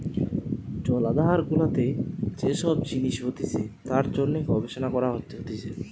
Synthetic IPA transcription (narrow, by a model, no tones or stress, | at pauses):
d͡ʑɔlad̪aɦaɾɡulat̪ed͡ʑeʃɔb̚d͡ʑiniʃbot̪iset̪aɾd͡ʑonːeɡʱɔbeʃonakɔɾaɦotːot̪it͡ɕʰe